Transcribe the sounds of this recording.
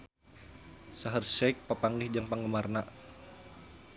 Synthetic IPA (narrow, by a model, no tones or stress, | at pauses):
saɦərsɛk̚papaŋɡɪhd͡ʒaŋpaŋɡəmarna